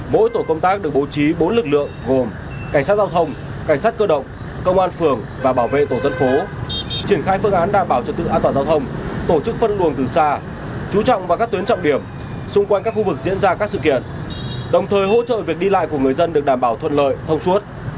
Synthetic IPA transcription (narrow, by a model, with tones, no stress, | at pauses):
mo̰˧˥jt̪o˧˩kə˧wŋ͡mt̪aː˦˥k̚ɗɨ˨˩ək̚ɓo˨˦t͡ɕi˨˦ɓo˨˦nlɨ˨˩k̚lɨ̰˧˨əŋɣo˨˩m | ka˧˩jsaː˦˥t̚zaː˧wt̪ʰə˧wŋ͡mka˧˩ŋ̟saː˦˥t̚kəː˧ɗə̰˧˨wŋ͡m | kə˧wŋ͡mʔaː˧nfɨ˨˩əŋ | vaː˨˩ɓaː˧˩wvḛ˧˨t̪o˧˩zə˧nfo˨˦t͡ɕi˧˩ənxaː˧jfɨ˧əŋʔaː˨˦nɗaː˨˩mɓaː˧˩wt͡ɕɔ˧˩t̪ɨ̰˧ʔaː˧nt̪waː˨˩zaː˧wt̪ʰə˧wŋ͡mt̪o˧˩t͡ɕɨ˦˥k̚fə˧nlu˨˩əŋt̪ɨ˨˩saː˧ | t͡ɕu˨˦t͡ɕɔ̰˧˨wŋ͡mvaː˨˩ka˦˥k̚t̪wənt͡ɕɔ̰˧˨wŋ͡mɗi˧˩əm | sʊ˧ŋ͡mkwa˧jkaː˦˥k̚xu˧vɨ˨˩k̚zḭ˧˥ənzaː˧kaː˦˥k̚sɨ̰˧˨kḭ˧˨ən | ɗə˨˩wŋ͡mt̪ʰəː˨˩jɦo̰˧˥t͡ɕə̰ː˧˨vi˨˩ək̚ɗi˧la̰ː˧˨jku˧˩əŋɨ˨˩əjzə˧nɗɨ˨˩ək̚ɗaː˧˩mɓaː˧˩wt̪ʰə̰˧˨nlə̰ː˧˨jt̪ʰə˧wŋ͡msu˦˥ət̚